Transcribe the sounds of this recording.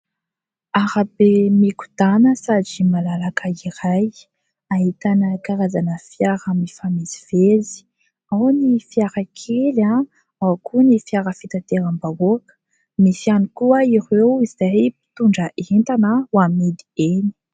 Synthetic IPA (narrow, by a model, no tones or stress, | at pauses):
aɾabemiku̥d̪anəsad͡ʒimalalakʰəiɾaj | aɦit̪anəkaɾazanəfjaɾəmifamiziv̥ezi̥ | awnifiaɾakʰela | awkunifiaɾəfit̪at̪eɾambavoakə̥ | misianikuəiɾewizajpi̥t̪uɳɖ͡ʐəʔent̪anəwamid̪ieni̥